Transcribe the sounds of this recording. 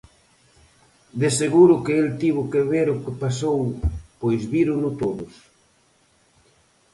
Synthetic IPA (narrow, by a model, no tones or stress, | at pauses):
d̪eseɣuɾʊkeelt̪iβʊkeβeɾʊkepasowpojzβiɾʊnʊt̪oðʊs